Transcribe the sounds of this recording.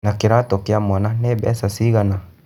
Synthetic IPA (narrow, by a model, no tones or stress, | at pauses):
nakiɾatɔkiamananɛbɛ̰sasiɣana